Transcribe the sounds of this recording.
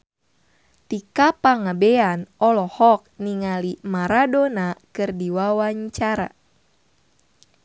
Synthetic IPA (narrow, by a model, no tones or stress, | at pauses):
t̪ikapaŋabeanɔlɔhɔk̚niŋalimaɾadonakɨrdiwawaɲt͡ʃaɾa̰